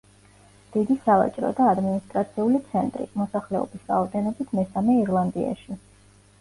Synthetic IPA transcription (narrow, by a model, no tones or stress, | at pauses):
d̪̥id̪isava̰t͡ʃʼɾɔ̰d̪aːd̪minist̪ʼɾat̪sʰiulit̪sʰɛnt̪ʼɾḭmɔsaχlɛɔ̰bisɾa̰ɔd̪ɛnɔbit̪ʰmɛsamɛiɾlˠand̪ia̰ʃi